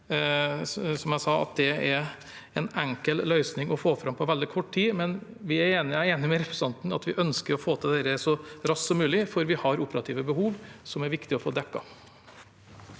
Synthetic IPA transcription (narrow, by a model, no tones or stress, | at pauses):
sɔmjæɪsɑːɑ̰t̪̚d̪ɛɛɾ | ɛnɛŋkəllœʏsnɪŋɔfoːfɾɑmpʰɔʋɛld̪ɪkʰɔʈːt̪ʰiːmɛn | ʋɪæɾeːnɪæeːnɪmɛɾɛpʰɾɛsɑnt̪nɑ̰t̪ʋɪʔœnskəɾɔfoːt̪ʰəd̪ɛɾəsɔɾɑssɔmːʉːlɪfɔɾʋɪhɑɾʊpəɾɑt̪ʰiːʋəbəɦuːʋsɔmæɾʋɪkt̪ɪɔfo̰ːd̪ɛkːɑ̰